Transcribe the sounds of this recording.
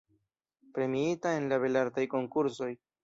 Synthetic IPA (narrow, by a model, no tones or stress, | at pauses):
pɾe̞miitae̞nlaβe̞laɾtajko̞ŋkuɾso̞j